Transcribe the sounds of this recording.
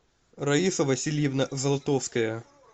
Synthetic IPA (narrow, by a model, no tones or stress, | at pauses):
ɾɐiʂɐvɐsʲilʲjɪvnɐzɐlˠɐt̪ofskɐjɐ